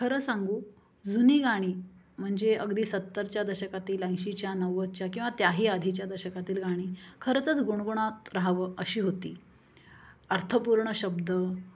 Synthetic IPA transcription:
kʰəɾəsãŋɡuː | d͡zuniːɡaɽ̃iː | m̤əɳd͡zeəɡd̪iːsət̪ːəɾt͡ɕjad̪əɾɕəkat̪iːlãjɕit͡ɕjanəʋət͡ɕjakĩw̃ʋat̪jaɦiːad̪ʱit͡ɕjad̪əɾɕəkat̪iːlɡaɽ̃iːkʰəɾət͡sət͡sɡuɳ̃ɡuɳ̃at̪ɾaɦʋəəɕiːɦot̪ḭː | əɾt̪ʰəpuɾɳəɕəbd̪ə

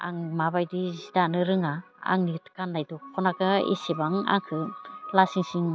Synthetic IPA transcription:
a̰ŋmabajdizidanɯɾɯŋa | a̰ŋnitkanːajdɔkʰɔnakɯḛsebaŋa̰ŋkʰɯlasiŋsiŋ

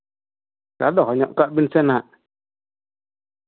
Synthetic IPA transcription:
kaɗɔkɔɲɔʔkaʔbinsɛnaʔ

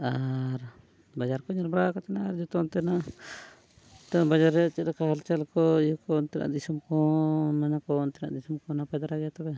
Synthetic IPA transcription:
aɾ | bad͡ʒaɾkɔɲɔɾbɾakɔt̪ɛnaaɾd͡ʒɔt̪ɔnt̪ɛna | t̪ɔbad͡ʒaɾːɛat͡ʃɛɾkahalt͡ʃɛlkɔikɔnt̪ɛna̰ʔd̪isumkɔmɛnakɔnt̪ɛna̰ʔd̪isumkɔnapɛd̪aɾaɡɛjat̪ɛbɛ

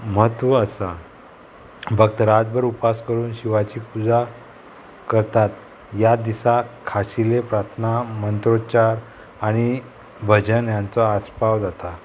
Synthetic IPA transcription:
mət̪ʋəːsa | bʱəkt̪ɾad͡z̪bəɾupaskəɾuːnɕiʋat͡ɕiːpud͡za | kəɾt̪at̪ | jad̪isakʰaɕilepɾat̪ʰnamənt̪ɾot͡ɕaɾ | aɽ̃i | bʱəd͡ʑənjant͡sɔaspaʋd͡zat̪a

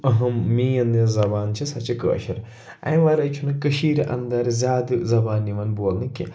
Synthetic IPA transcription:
ɐɦɐmmiːjɐnd̪izɐbaːnt͡ʃʰisɐt͡ʃikə̰ːʃɐɾ | ɐ̰̃j̃ʋɐɾɐt͡ʃʰunɨkəʃiːɾʔɐ̰nd̪ɐɾzʲjaːd̪zɐbaːniʋɐnboːlnɨkḭ

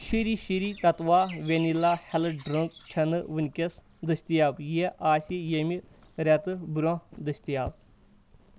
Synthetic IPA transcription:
ʃiɾiʃiɾit̪ɐt̪ʋaːʋʲenilahɛlɨɖɾɐŋk̚t͡ʃʰɐnɨʋɨnʲkʲes | d̪ɨsʲt̪ijabjeʔaːsijemi | ɾʲɐt̪ɨbɾõd̪ɨsʲt̪ijaːb

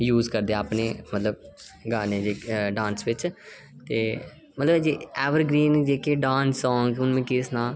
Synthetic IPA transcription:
juːzkəɾd̪eɛəpneːmət̪ləbɡaːneːd͡ʒeːɖãːnsʋɪt͡ʃ | t̪ḛː | mət̪ləbd͡ʒiɛːʋəɾɡɾiːnd͡ʒeːkeːɖãːnsːɔ̃ːŋɡʊnmẽːkɪsnaː

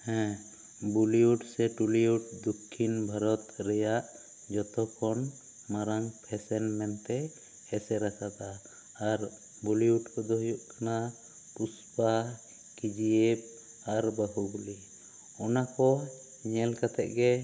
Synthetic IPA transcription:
hɛ̃ | buliuɖsɛʈuliuʈ̚d̪ukʰːinbʱaɾɔt̪ɾɛjaʔ | d͡ʒɔt̪ɔkʰɔn | maɾaŋpʰɛsɛnmɛnt̪ɛ | hɛsɛɾakad̪aː | ɾ | buliuʈkɔd̪ɔɦjuʔkana | puspa | kid͡ʒiɛb̚ | aɾbəɦubuli | ɔnakɔ | ɲɛlkat̪ɛ̰ʔ̚ɡɛ

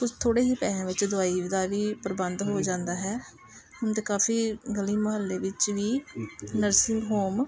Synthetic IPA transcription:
kʊst̪ʰoːɽeːɦiːpɛːãːʋɪt͡ʃd̪ʊaːiːʋɪd̪aːʋiːpəɾbənd̪ɦoːd͡ʒãːnd̪aːɦɛː | ʊnt̪eːkaːfiːɡəliːməɦəlːeːʋɪt͡ʃʋiːnəɾsɪ̃ŋɡɦoːm

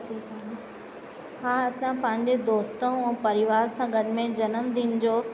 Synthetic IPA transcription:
t͡ɕit͡ɕʰa | ɦãːɐsãpɐ̃ɦɪ̃ɲd͡ʑed̪oːst̪õɛ̃ːpɐɾɪʋaːɾsãɡɐɖɪ̆mẽd͡ʑɐnəmd̪iːnɪd͡ʑoː

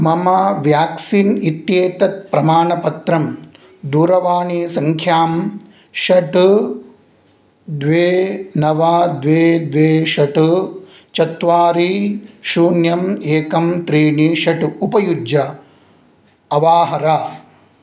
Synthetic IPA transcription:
mɐmɐʋjaːksinit̪jeːt̪ɐt̪̚pɾɐmaːɳɐpɐt̪ɾɐm | d̪uːɾɐʋaːɳiːsɐŋkʰjaːm | ʃɐʈ | d̪ʋeːnɐʋaːd̪ʋeːd̪ʋeːʃɐʈu | t͡ʃɐt̪ʋaːɾiʃuːnjɐmeːkɐmt̪ɾiːɳiʃɐʈuupɐjud͡ʒjɐ | ɐʋaːɦɐɾaː

